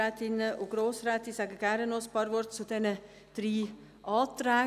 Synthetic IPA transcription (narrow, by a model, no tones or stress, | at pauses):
ɛt̪ɪnəʔoɡ̥ɾoːsɾɛːt̪isæːɡəɡ̥æɾənospʰɑɾʋɔɾt̪t͡sud̪ɛnə | d̪̥ɾiː | ʔɑːt̪ɾæː